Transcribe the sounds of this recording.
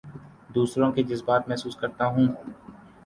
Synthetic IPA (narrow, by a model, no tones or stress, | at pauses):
d̪uːsɾõked͡ʒɪzbaːt̪mɛɦsuːskɐɾt̪aɦũː